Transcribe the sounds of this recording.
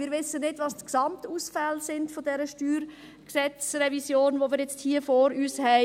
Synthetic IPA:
mɪːɾʋɪsːənːɪdʋɑstksɑmtuːsfɛlsɪndfodɛɾəʃtyːɾ | ksɛt͡sɾɛvisjoːnʋomɪːɾjɛt͡sthiːəfoɾyːshɛɪ

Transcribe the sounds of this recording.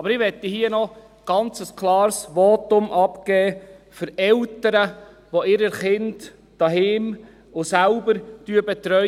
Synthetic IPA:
ɑbəɾɪʋɛt̪ːihiːənɔ | ɡ̥ɑnt͡səskʰlˠɑːɾsʋɔt̪ʊmʔɑpɡ̥ɛːfʏɾɛltəɾə | ʋoɪɾəχɪnd | d̥ɑɦɪːm | ʊsælbəɾtyəbɛt̪ɾœ

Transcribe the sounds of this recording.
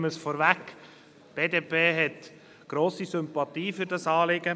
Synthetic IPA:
məsfɔːɾvæk | b̥eːdeːpʰeːɦɛt | ɡ̥ɾoːsisʏmpɑt̪iːfʏɾdɑsɑːlɪɡə

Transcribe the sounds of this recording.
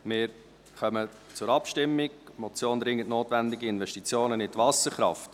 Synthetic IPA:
mɪːɾ | χœmə | t͡sʊɾɑpʃtɪmːɪɡ̚mɔt͡sjoːnɾɪŋːətnoːtvændɪɡiɪnvɛʃtit͡sjoːnənɪtvɑsəɾχɾɑ̰ft

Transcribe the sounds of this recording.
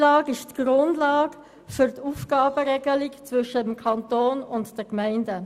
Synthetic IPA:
lɑːɡɪʃtɡ̥ɾʊndlɑːɡ | fʏʁtuːfɡ̥ɑːb̥əɾɛɡəlɪkt͡svʏʃətəmkʰɑntoːnʊntd̥ɛkmæɪndə

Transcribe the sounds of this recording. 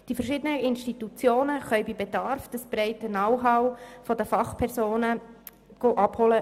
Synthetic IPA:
d̥ifəɾʃɪːdənəʔɪnʃtit̪ut͡sjoːnəχœʏbibedɑɾfd̥əsb̥ɾɛɪtənɑwɦɑwfɔdəfɑχpʰɛɾsoːnə | ɡ̥oʔɑb̥hɔlə

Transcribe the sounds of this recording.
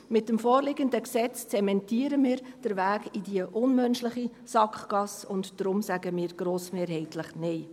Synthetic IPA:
mɪt̚ːəmfoːrlɪɡəndəksɛt͡st͡sɛmɛntiːəɾəmiːɾd̥əɾʋæːɡidiəʔʊnmœnʃlɪχi | sɑkχɡ̥ɑsʊntd̥ɾʊmsæɡəmiːɾɡ̥ɾoːsmeːɾɦɛɪtʰləχnɛɪ

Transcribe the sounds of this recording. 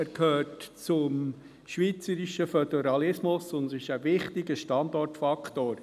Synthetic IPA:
æɾkʰhøːtt͡sʊm | ʃʋiːt͡səɾiʃəfœdɛɾɑlɪsmʊsʊnsɪʃəvɪχtɪɡəʃtɑnd̪ɔrtfɑkʰtoːɾ

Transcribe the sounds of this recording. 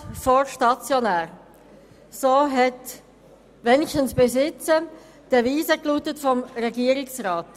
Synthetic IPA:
fɔɾʃtɑt͡sjɔnæːɾ | soːɦɛt | ʋɛnɪʃtənsb̥esɪt͡sə | d̥əviːzəkluːtətfɔmɾɛɡiːəɾɪksraːt

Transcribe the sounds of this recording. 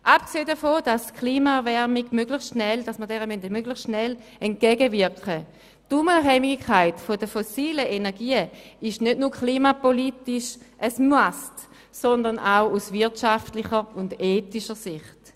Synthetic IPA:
ʔap̚kseːdəfoːd̥askʰliːmaɛʁvɛʁmiɡmøɡlɪχsʃnɛld̥asməɐdɛːʁəmœntemøɡlɪχsʃnɛl | ɛnt̚ɡ̥ɛɡəvɪɐkχə | tuməɦɛmɪɡkʰːaɪtfodəfosiːləʔenɛɐɡiːəɪʃnødnuːɐkʰliːmapolitɪʃʔəsmuast | sɔndɐnʔaʊusvɪɐtʃaftlɪχəʊndeːtiʃəsɪχt

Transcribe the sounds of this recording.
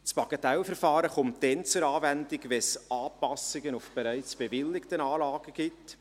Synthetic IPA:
spɑkɛtɛlfəɾfɑːɾəχʊmtd̥ɛnt͡sʊɾɑːvændɪkʋɛsɑːpɑsɪɡənufb̥eɾæɪt͡sb̥evɪlːɪktənɑːlɑːɡ̥əɡ̥ɪt

